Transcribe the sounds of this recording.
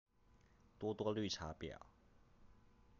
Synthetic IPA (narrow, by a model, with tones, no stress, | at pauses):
t̪wɔ˥t̪wɔ˥ly˥˩ʈ͡ʂʰa˧˥pjɑ̰˨˩˦ʊ